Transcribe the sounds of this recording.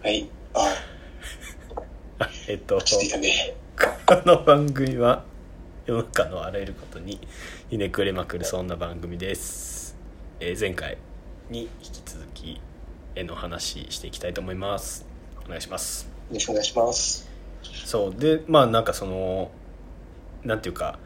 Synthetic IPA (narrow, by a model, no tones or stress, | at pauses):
haia | aet̪ːo̞et̪anekʰoono̞bãŋɡɯ̟mʲiβa | jo̞nakanoaɾaeɾɯ̟ko̞̥t̪o̞ɲ̟ijɯne̞kɯ̟ɾemakɯ̟ɾɯ̟sõ̞nːabãŋɡɯ̟mʲid̪e̞sɨ̥ | ezẽ̞ŋka̰ḭɲ̟içʲi̥kʲi̥t͡sɨzɨkʲʰḭe̞no̞ːhanaɕḭɕi̥t̪e̞ikʲi̥t̪ait̪o̞ːmo̞imasɨ̥o̞neɡaiɕimasjoɾoɕkoneɡaiɕimas | so̞ːd̪e̞maːnãŋkaso̞no̞ | nãnt̪eiɯ̟ka̰